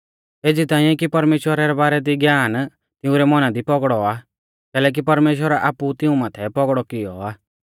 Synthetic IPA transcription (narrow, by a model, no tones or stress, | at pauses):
eːd͡zit̪aːĩɛkipɐɾmeːʃwəɾaɾɛbaːɾɛd̪iɡjaːn | t̪ɪ̃ũɾɛmɔnad̪ipɔɡɽɔaː | kɛːlɛk̬ipɐɾmeːʃwəɾaʔa̰ːput̪ɪũmaːt̪ʰɛpɔɡɽɔkɪjɔ̰aː